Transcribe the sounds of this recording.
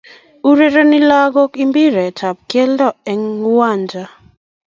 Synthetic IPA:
u˦ɾe˦ɾe˦nɪ˦la˦ɡɔ˦ki˦mbi˦ɾe˨ta˨p̚kje˦ldɔ˦˨ɛ˨ŋwa˦˨nd͡ʒa˨

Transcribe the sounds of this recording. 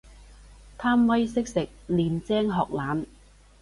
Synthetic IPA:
t̪ʰaː˥mwɐ˥jsɪ˥k̚sɪ˨k̚liː˨nt͡sɛː˥ŋɦɔː˨k̚laː˨˥n

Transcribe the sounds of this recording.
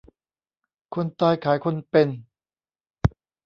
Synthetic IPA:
kʰo˧nt̪aː˧jkʰaː˩˦jkʰo˧npe˧n

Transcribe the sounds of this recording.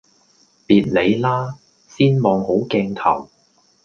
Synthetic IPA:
piː˨t̚le˨˧jlaː˥ | siː˥nmɔː˨˧ŋho˨˥wkɛː˧ŋt̪ʰɐ̰˨˩w

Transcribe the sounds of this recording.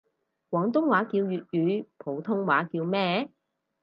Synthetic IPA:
kwɔː˨˥ŋt̪̬ʊ˥ŋwaː˨˥kiː˧wjyː˨t̚jyː˨˥pʰo˨˧wt̪ʰʊ˥ŋwaː˨˥kiː˧wmɛː˥

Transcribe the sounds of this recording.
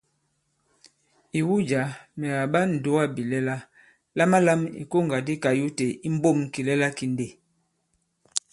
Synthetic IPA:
i˨wu˦d͡ʒa˨˦mɛ˨ɣa˨ɓa˦n̩˨do˦wa˦bi˨lɛ˦la˦ | la˦ma˦la˦mḭ˨ko˦˨ŋɡa˨di˦ka˨ju˦te˨i˦m̩˦bo˦˨m˨ki˨lɛ˦la˦ki˨n˦de˨

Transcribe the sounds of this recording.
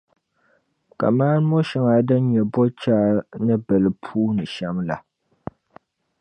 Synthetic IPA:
ka̰˨maː˦n˦mɔ˦ʃɛ˦ŋa˨dɨ˦ɲɛ˨bɔ˦t͡ʃaː˦nɨ˦bɛ˨lɨ˨pʰuː˦nɨ˨ʃa˦mla˨

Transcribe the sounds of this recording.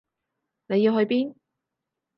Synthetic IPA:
ne˨˧ji˧wɦɵ˧ɥpiː˥n

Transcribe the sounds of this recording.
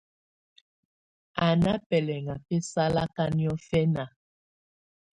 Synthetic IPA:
a˨na˦pɛ˨lɛ˨ŋa˨pɛ˦sa˦la˦ka˦ni˦ɔ˦fɛ˦na˨

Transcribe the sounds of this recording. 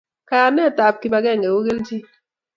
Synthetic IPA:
kaː˨nɛ˦˨ta˨p̚ki˨ba˨ɡɛ˦˨ŋe˨u˦ɡe˦lti˦

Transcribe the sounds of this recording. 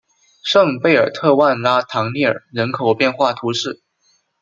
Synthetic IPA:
ʂɤ˥˧ŋpe˥˩ɪə̰˞˨˩t̪ʰɤ˥˧wa˥˩nla˥t̪ʰɑ˧˥ŋli˥˩ə̰˞˨˩ɻə˧˥nkʰo˨˩ʊpjɛ˥˧nxwa˥˩t̪ʰu˧˥ʂɻ̩˥˩

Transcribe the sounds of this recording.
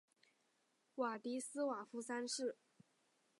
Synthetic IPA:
wa˨˩t̪i˧˥sɹ̩˥wa˨˩fu˧˥sa˥nʂɻ̩˥˩

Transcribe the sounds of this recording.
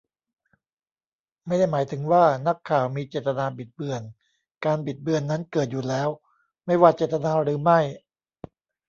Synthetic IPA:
ma˥˩jda˥˩jmaː˩˦jt̪ʰɯ˩˦ŋwaː˥˩na˦˥kʰːaː˨˩wmiː˧t͡ɕeː˨˩t̪t̪ːa˧naː˧bi˨˩t̪̚bɯ˨˩ən | kaː˧nbi˨˩t̪̚bɯ˧ənːa˦˥nkɤː˨˩t̪̚juː˨˩lɛː˦˥w | ma˥˩jwaː˧t͡ɕe˨˩t̪̚ːa˧naː˧ɾɯː˩˦ma˥˩j

